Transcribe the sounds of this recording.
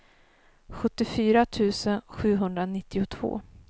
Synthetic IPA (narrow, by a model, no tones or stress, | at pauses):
ɧɵt̪ːɪfyːɾat̪ʰʉ̟ːsənɧʉ̟ːɦɵnd̪ɾanɪt̪ːɪʊt̪ʰv̥o̰ː